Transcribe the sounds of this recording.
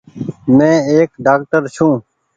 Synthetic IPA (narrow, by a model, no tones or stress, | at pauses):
mɛ̃ːeːkɖaːk̚ʈəɾʃʰũː